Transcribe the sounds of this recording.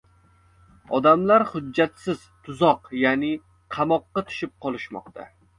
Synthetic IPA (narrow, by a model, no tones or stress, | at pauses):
ɒd̪amlaɾhʊd͡ʒːat̪sɪz̥t̪ʰʊzɒqjaːnɪ | qʰɑmɒqːɑt̪ʰʊ̥ʃɪp̚qʰɒlˠɪʃmɒ̰qt̪ʰa̰